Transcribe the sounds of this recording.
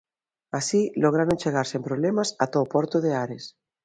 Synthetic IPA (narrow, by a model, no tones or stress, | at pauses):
asiloɣ̞ɾaɾont͡ʃeɣ̞aɾsempɾoβlemasat̪opɔɾt̪oðeaɾes